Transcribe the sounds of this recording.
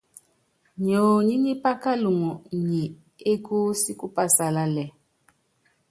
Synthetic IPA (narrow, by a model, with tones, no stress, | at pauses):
ɲo˨ɲi˦ɲi˦pa˦ka˦lu˨ŋɔ˨ɲi˨ | e˦ku˦si˦ku˦pa˦sa˨la˦lɛ˨